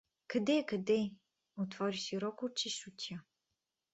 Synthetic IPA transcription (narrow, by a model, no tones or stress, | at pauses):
kɐd̪ɛkɐd̪ɛ | ot̪vɔɾiʃiɾɔkot͡ʃiʃut̪ʲa